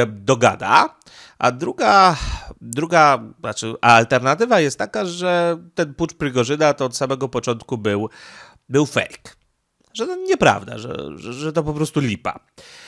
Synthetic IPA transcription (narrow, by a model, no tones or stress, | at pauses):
d̪ɔɡa̰d̪a̰ | ʔa̰d̪ɾuɡa | d̪ɾuɡaat͡ʂɘʔaːlt̪ɛɾnat̪ɘvajɛst̪ːakaʐɛt̪ɛnput͡ʂpɾɘɡɔʐɘd̪at̪ɔɔt̪samɛɡɔpɔt͡ʂɔnt̪̚kubɘw | bɘwfɛ̰jk | ʐɛt̪ɔɲɛpɾa̰vd̪a̰ʐɛ̰ʐɛʐɛt̪ɔpɔpɾɔst̪ulʲipa̰